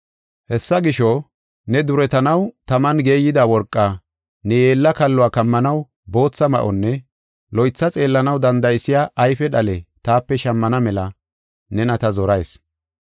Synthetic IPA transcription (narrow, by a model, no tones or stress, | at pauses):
hɛsːɐɡɪʃɔ | nɛd̪ʊɾɛt̪ɐnɐwt̪ɐmɐnɡe̞ːjːɪd̪awɔɾkʼːa | nɛjeːlːɐkɐlːʊaːkɐmːɐnɐw | bo̞ːt͡sːɐmɐ̰ʔɔnːɛ | lɔjt͡sːɐt͡sʼe̞ːlːɐnɐwd̪ɐnd̪ɐjɪsɪjaːʔɐjfɛɗɐlɛt̪aːpːɛʃɐmːɐnɐmɛlɐ | nɛnɐt̪ɐzɔɾɐjs